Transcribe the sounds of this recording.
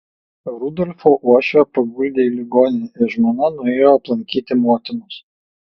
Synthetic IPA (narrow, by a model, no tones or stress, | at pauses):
ɾʊd̪ɔlʲfoːʔuɔʃʲopɐɡʊlʲd̪ʲeːilʲɪɡoːnʲɪnʲɛɪɾʒmoːnɐnʊeːjoːɐplˠɐŋʲkʲiːt̪ʲɪmoɔt̪ʲɪnʊs